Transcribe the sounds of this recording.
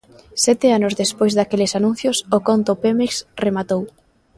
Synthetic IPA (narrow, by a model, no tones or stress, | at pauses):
sɛt̪ɪanʊzðespojzðakelɪsanũn̟θjosokont̪opemeksremat̪ow